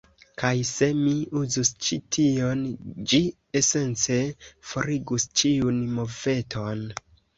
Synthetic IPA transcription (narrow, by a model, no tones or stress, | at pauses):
kajse̞miuzust͡ʃitʰio̞nd͡ʒi | ese̞nt͡se̞fo̞ɾiɡust͡ʃiunmove̞tʰo̞n